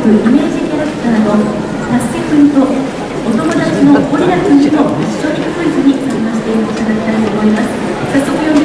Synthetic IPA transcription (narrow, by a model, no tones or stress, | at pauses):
kɯ̟ʔimʲeːʑiit̪ad̪akɯ̟̥t̪ad̪o | sɾaɕipɯ̃nt̪o̞ | ot̪o̞mo̞d̪at͡ɕino̞koɾʲiɾakiɲimo̞ḁɕoːɾʲikɯ̟̥sɨizɨɲ̟isãŋkaɕi̥t̪e̞it̪ad̪akʲe̥t̪ait̪o̞ːmo̞imasɨ̥ | sasokojom